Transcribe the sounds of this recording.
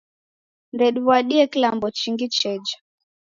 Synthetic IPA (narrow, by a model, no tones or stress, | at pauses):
ndɛɗuwaɗiɛkilambɔt͡ʃiŋɡit͡ʃɛd͡ʒa